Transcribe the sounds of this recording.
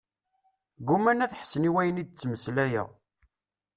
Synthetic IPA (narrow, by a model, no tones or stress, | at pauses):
ɡumænæθħə̥sːəniwæjənid̪̚t͡sːməslæjæ̰ʁ